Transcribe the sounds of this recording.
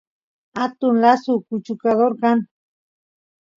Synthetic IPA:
at̪ʊnlasukʊt͡ʃʊkaðoɾkan

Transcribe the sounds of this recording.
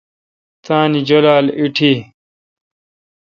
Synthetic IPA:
t̪ʰaːnid͡ʑolaːliʈʰi

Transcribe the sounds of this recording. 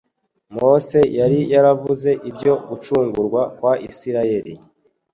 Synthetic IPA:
mo̞se̞jaɾijaɾavuze̞ʔibɟo̞ɡut͡ʃuːŋɡuɾɡwakwaʔisiɾaje̞ɾi

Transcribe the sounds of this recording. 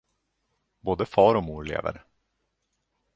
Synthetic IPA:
boːd̪əfɑːɾɔmuːɾɭḛːvə̰ɾ

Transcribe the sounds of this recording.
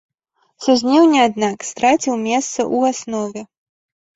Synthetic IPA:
suzʲnʲɛwnʲɛad̪nakst̪ɾat͡sʲiwmʲɛst̪sɐ̰ʔuasnɔvʲɛ

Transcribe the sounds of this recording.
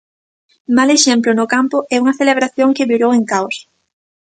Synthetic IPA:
maleʃemplʊnʊkampʊʔɛuŋɐθeleβ̞ɾaθjoŋkɪβiɾoweŋkaws

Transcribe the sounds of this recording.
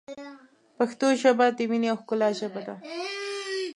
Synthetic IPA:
paxt̪oʒabad̪eminiawxkʊlɑʒabad̪a

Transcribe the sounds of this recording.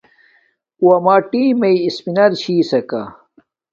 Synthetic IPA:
uwɐmaːʈiːmɐiispinɐɾɕiːsɐka̰

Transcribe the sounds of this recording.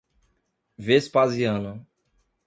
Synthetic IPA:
vespaziɐ̃nɐ̃

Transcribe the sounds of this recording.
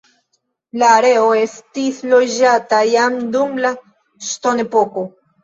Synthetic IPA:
laːɾe̞oe̞st̪islo̞d͡ʒatajamd̪umla | ʃt̪onepoko

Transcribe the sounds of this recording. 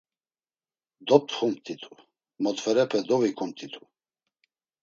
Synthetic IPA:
d̪ɔt̪χumt̪ʰit̪ʰu̥ | mɔt̪vɛɾɛpʰɛd̪ɔvikʰumt̪ʰit̪ʰu̥

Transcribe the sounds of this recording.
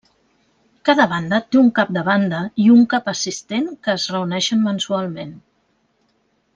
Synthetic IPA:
kaðəβ̞and̪ət̪euŋkap̚d̪əβand̪əiuŋkapəsist̪enkəːzrəunɛʃənmənsualˠmen

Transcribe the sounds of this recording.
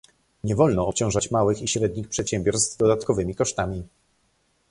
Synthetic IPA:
ɲɛvɔlnɔːpt͡ɕɔ̃w̃ʐat͡ɕmawɘxiɕɾɛd̪̚ɲixpʂɛt̪ɕɛmbʲjɔɾst̪d̪ɔd̪at̪kɔvɘmʲikɔʂt̪amʲi

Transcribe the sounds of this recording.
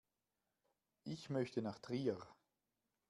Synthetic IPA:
ʔɪçmœçtənaχtʁiːəʁ

